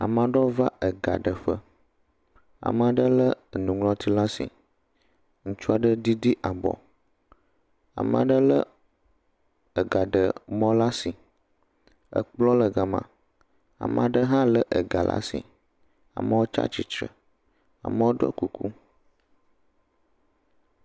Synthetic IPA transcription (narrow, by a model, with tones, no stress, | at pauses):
a̰˨mã˨ɖɔ˦va˦ʔə˨ɡa̰˨ɖə˨ɸə˦ | a̰˨mə˦˨a˨ɖə˦lə˦˨nũ˨ŋlɔ̃˦t̪ʰi˦la˦si˨ | ŋũ˦t͡ʃu˦a˨ɖə˦d̪i˦di˦ʔa˨bɔ̰˨ | a̰˨mə̰̃˨a̰˨ɖə˦lə˦ | ə˨ɡa˨ɖə̰˨mɔ̃˦la˦si˨ | ə̰˨k͡plɔ˦lə˨ɡa˨mã̰˨ | a̰˨mə˨a˨ɖə˦ɦã˦lə˦ʔə˨ɡa˨lʔa̰˦sḭ˨ | a̰˨mə˦wo˦t͡ʃa̰˦t͡ʃi˨t͡ʃɾə̰˨ | a̰˨mə˦wo˦ɖɔ̰˦ku˨kʰu˦